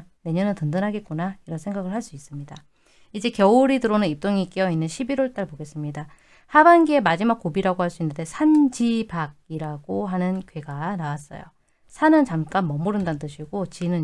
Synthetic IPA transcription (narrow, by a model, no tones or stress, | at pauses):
ne̞ɲʌnɯntɯndɯnɦaɡe̞t̚k͈onaiɾʌnsʰeŋɡaɡɯɭhaɭs͈uis͈ɯmɲida | id͡ʑe̞kjʌuɾidɯɾonɯnip̚t͈oŋik͈ijʌinːɯnɕʰibiɾwoɭt͈aɭboɡe̞s͈ɯmɲida | habanɡie̞mad͡ʑimak͈ːobiɾaɡohaɭs͈uinːɯnde̞sʰand͡ʑibaɡ̚iɾaɡ̥oɦanɯnkɥe̞ɡanawas͈ʌ̰jo̰ | sʰanɯnt͡ɕamk͈anmʌmuɾɯndandɯɕʰiɡot͡ɕinɯ